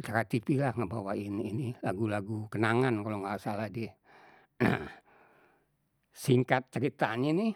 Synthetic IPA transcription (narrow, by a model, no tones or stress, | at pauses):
t͡ʃəɾat̪ipilahŋabawaɪninilaɡulaɡukənaŋankaloŋɡasalahdi | na | siŋkat̪̚t͡ʃəɾit̪aɲani